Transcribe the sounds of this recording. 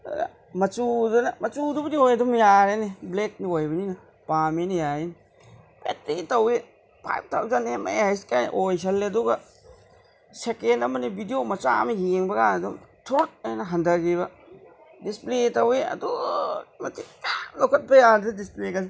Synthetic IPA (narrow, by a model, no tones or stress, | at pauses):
a̰ | mɐt͡ʃudɐnɐmɐt͡ʃudubɐniojɐdumjaɾeneblek̚niojbɐninɐ | paminijaini | pḛtɾitɐwe | pʰa̰jp̚tawd͡ʒanemɐ̰jhajsi̥kajʔojs̬ɐlːeɐduɡɐ | sekelɐmɐnibidiomɐt͡ʃa̰mɐjeŋbɐkanɐdumtʰuɾuk̚ajnɐɦɐndɐɡiβɐ | displetɐweɐ̰dumɐtʰikalokʰɐt̚bɐjadɾɐdispleka